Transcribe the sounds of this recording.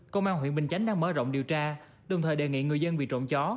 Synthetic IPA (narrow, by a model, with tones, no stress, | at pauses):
kə˧wŋ͡mʔaː˧nɦwḭ˧˨nɓï˨˩ŋ̟t͡ɕa˨˦jŋ̟ɗaː˧ŋməː˨˦zɔ̰˧˨wŋ͡mɗi˨˩əwt͡ɕaː˧ | ɗə˨˩wŋ͡mt̪ʰəː˨˩jɗe˨˩ŋḭ˧˨ŋɨ˨˩əjzə˧nvḭ˧˨t͡ɕo̰˧˨nt͡ɕɔ˨˦